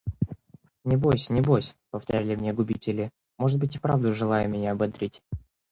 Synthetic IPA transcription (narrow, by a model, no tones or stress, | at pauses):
nʲɪbojsʲnʲɪbo̞jsʲpəft̪ɐɾʲælʲɪmnʲeɡʊbʲitʲɪlʲɪ | moʐɨt̪̚bɨtʲɪpɾavd̪ʊʐɨlˠajʊmʲɪnʲaɐbɐd̪ɾʲʔetʲ